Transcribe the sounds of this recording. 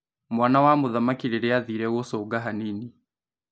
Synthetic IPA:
mwanawamuðamakiɾiɾɛaðiɾɛɣosɔːɡaɦaniːni

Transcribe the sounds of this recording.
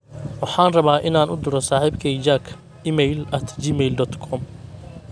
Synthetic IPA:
wɑħɑːnrɐβaːʔɪnaːnʊd̪ʊɾɔsaːħiːbkʰɛd͡ʒaːkʰ | iːmɛjlɐt̪ʰd͡ʒiːmɛjld̪ɔt̪kʰɔm

